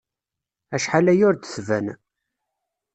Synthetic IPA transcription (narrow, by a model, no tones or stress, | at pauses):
æʃħalæjʊɾd̪θvæ̰n